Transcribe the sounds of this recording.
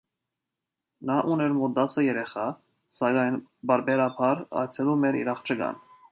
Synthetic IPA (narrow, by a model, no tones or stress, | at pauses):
nɑʔunɛɾmɔd̪ɑt͡sʰəjɛɾɛχɑ | sɑɡɑjnbɑɾbɛɾɑpʰɑɾɑ̰jt͡sʰɛlumɛɾḭɾɑχt͡ʃʰəɡɑ̰n